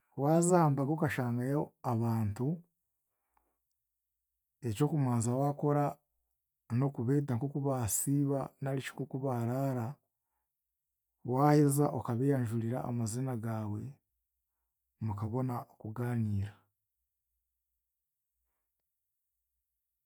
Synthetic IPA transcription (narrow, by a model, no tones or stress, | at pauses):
waːzaːmbaɡokaʃaːŋɡajoaβaːntu | e̞co̞ːkumaːnzawaːko̞ɾa | no̞kuβeːt̬aŋkokuβasiːβanalit͡ʃi̥kokuβaɾaːɾa | waːhezaʔokaβejaɲʒuɾiɾa̰ːmazinaɡaːwe̞ | mukaβo̞naokuɡaːniːɾa